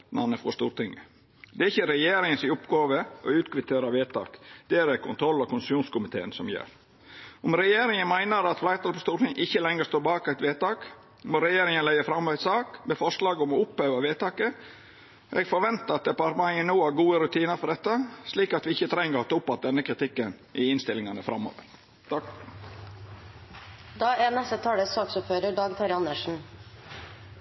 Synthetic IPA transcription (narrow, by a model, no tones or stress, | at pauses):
nɑ̰nəfɔst̪ṵːɾt̪ɪŋə | d̪ɛæɾɪçːəɾɛjeːɾɪŋənsɪʊpɡɑːʋəʔɔʉːt̪kʰʋɪt̪ʰeːɾɑʋeːt̪ʰɑ̰ːkd̪̥ɛæɾæɾkʰʊnt̪ʰɾɔlːɔkʊnsmjuːnskʊmɪt̪ʰḛːənsɔmjø̰ːɾ | ɔmɾɛjeːɾɪŋənmæɪnəɾɑt̪flæɪt̪ʰɑlfɔst̪uːɾʈ̪ɪŋəʔɪçːəlɛŋːəst̪oːbɑːkæɪt̪ʋeːt̪ɑːk | mɔɾɛjeːɾɪŋənlæɪəfɾɑmːæɪt̪sɑːkmɛfɔʂlɑːɡɔmɔʊpheːʋɑʋeːt̪ɑːkə | ʔɛɡfɔɾʋɛnt̪əɑt̪̚d̪ɛpɑɾmɑənoːhæɾɡuːəɾʉt̪ʰiːnəɾfɔɖɛt̪ːəsliːkɑt̪ʋɪɪçːət̪ʰɾɛŋːəɾɑt̪ʊpːɑt̪̚d̪ɛnːəkʰɾɪt̪ʰɪkːən | ʔɪɪnst̪ɪlːɪŋɑnəfɾɑ̰mːo̰ːʋə̰ɾ | d̪ɑːænɛst̪ət̪ʰɑːləsɑːksʊpføːɾəɖɑːɡt̪ʰɑɾɑnəʂn̩